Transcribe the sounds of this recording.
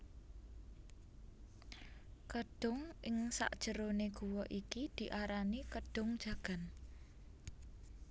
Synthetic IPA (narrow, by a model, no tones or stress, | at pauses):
kəɖ̥ʊŋʔɪŋsa̰ʔd̥ʒ̥ə̤ɾoneɡ̥uwɔʔikid̪̥i̤ʔaɾanikəɖ̥ʊ̤ŋd̥ʒ̥ä̤ɡ̥a̤n